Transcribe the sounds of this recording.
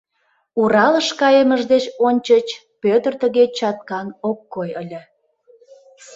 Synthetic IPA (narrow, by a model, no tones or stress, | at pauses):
uɾɑləʃkɑjəməʒd̪et͡ɕonʲt͡ɕət͡ɕ | pøt̪ərt̪əɣet͡ɕɑt̪̚kɑnokːojəlʲə̆